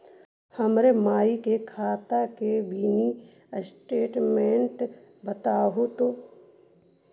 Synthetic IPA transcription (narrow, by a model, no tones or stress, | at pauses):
həmɾemaːikekʰaːt̪akebini | sʈeːʈmẽɳʈ | bət̪aːɦot̪oː